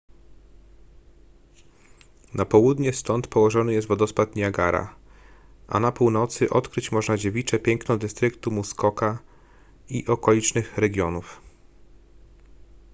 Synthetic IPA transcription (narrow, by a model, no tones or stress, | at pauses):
napɔwud̪ɲɛst̪ɔnt̪pɔwɔʐɔnɘjɛst̪vɔd̪ɔspat̪ɲaɡaɾa̰ | ʔa̰napuwnɔt̪sɘʔɔt̪kɾɘt͡ɕmɔʐnad͡ʑevʲit͡ʂɛpʲjɛŋknɔd̪ɘst̪ɾɘkt̪umuskɔka | ḭʔɔkɔlʲit͡ʂnɘxɾɛɡʲjɔnuf